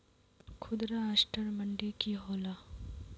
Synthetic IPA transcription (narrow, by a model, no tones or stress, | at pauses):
kʰʊd̪ɾaasʈəɾmɐɳɖekiɦoːla